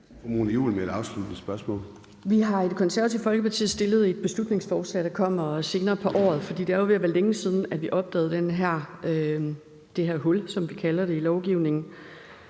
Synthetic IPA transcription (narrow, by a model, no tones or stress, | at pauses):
omonjṵːlmed̥ɑ̈ʊslud̥nəsb̥ɶɐsmɔ̰̽ːl | ʋiɦɑ̈ed̥kʰɒ̽nsæɐɐt͡sʰiʊfɒ̽lɡ̥əpʰɑ̈t͡sʰḭð̩ˠsd̥e̝lð̞ˠe̝d̥̚b̥e̝slud̥ne̝ŋsfɒːslɛ̰ːd̥ɑ̈kʰɒ̽m̰ɐse̝ːnɐːpʰɒ̽ʔɒ̰ːð̞̩ˠfɒ̽d̥ḭːd̥eæɐjoʋiæʋælːeŋəsið̞ˠn̩æʋiʔɒ̽b̥̚d̥ɛ̰ːð̞̩ˠd̥enɦæɐ̰ø | d̥e̝ɦæɐ̰ɦɔ̽lsɒ̽mʋikʰælɐɾe̝ilɒʊɡ̥iʊne̝ŋn̩